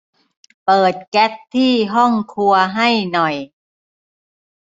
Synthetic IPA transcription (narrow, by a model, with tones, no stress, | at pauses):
pɤː˨˩t̪̚kɛ˦˥t̪̚t̪ʰːiː˥˩ɦɔ˥˩ŋkʰu˧ɐɦa˥˩jnɔ˨˩j